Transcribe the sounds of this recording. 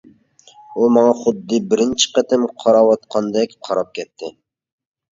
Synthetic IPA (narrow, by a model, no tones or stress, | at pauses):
umɑŋɑχʊd̪ːɨbɪɾɪnt͡ʃʰɪ̥qæt̪ʰɪmqʰɑɾɑwɑt̪qʰɑnd̪ɛkʲqʰɑɾɑp̚kʲɛt̪ʰːɪ